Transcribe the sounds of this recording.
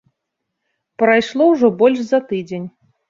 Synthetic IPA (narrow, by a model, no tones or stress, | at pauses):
pɾajʂlˠɔwʐɔbɔlʲʂzɐt̪ɨd͡zʲenʲ